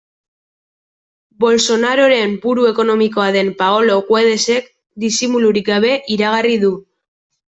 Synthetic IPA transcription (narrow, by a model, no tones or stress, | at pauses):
bo̞lso̞naɾo̞ɾe̞mpuɾue̞ko̞no̞miko̞aðe̞mpaolo̞kwe̞ð̞e̞se̞k | d̪isimuluɾikɡaβ̞e̞ʔiɾaɣ̞ariðu